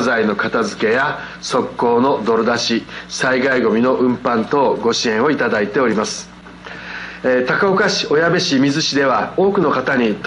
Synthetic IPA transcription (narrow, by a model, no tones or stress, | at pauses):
zaino̞kat̪azɨke̞ja | so̞kːo̞ːno̞d̪o̞ɾɯd̪aɕisaiɡaiɡo̞mʲino̞ʔɯ̟̃mpãnt̪o̞ːɡo̞ɕiẽ̞ɰ̃o̞it̪ad̪ait̪e̞o̞ɾʲimasɨ̥ | t̪akaokaɕi̥o̞jabeɕimʲizɨɕid̪e̞βao̞ːkɯ̟no̞kat̪aɲ̟it̪